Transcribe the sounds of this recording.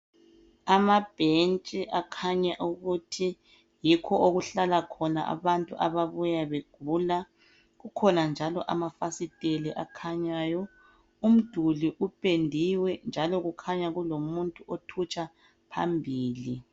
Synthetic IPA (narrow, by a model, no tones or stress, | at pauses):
amab̥ʱent͡ʃʼiʔakʰaɲaʔuɣutʰi | jikʰɔoɣuɬalakʰɔna̰ʔa̰βantʼuʔaβaβujaβeɡ̥ʱuːla | ɣukʰɔnand͡ʒʱalɔʔa̰mafasitʼeliʔakʰaɲaːjɔ | um̩d̥ʱuliʔupʼendʱiwɛnd͡ʒʱalɔɣukʰaɲaɣulomuntʼuʔotʰut͡ʃʼa | pʰa̰mbʱiːli